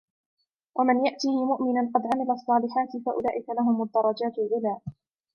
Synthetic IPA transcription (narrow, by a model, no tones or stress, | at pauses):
wʔamɪnjaʔt̪iːhɪmʊʔmɪnanqɑd̪ʕamɪlasˤːɑːlɪħaːt̪ɪfaʔʊ̰laːʔɪkalaɦʊmad̪ːɑɾˤɑd͡ʒaːt̪alʕʊlaːʔ